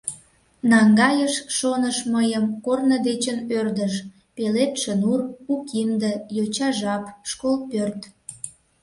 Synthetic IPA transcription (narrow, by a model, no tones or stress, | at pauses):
nɑŋɡɑjəʃʃonəʃməjəmkornəd̪et͡ɕənørd̪əʃ | pelet̪ʃənurukind̪əjot͡ɕɑʒɑpʃkolpørt̪